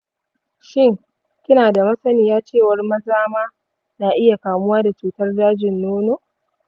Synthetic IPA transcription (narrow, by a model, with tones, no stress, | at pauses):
ʃɪ˦ŋ | kʲɪ˦naː˨da˨mɐ˦sɐ˦nɪː˨jaː˦t͡ʃeː˦˨wɐ˦rmɐ˦zaː˦maː˦ | na˨ʔɪ˦ja˨kaː˨mʊ˦waː˦da˨t͡ʃuː˨tɐ˦rdaː˦d͡ʒɪ˨nːoː˦noː˦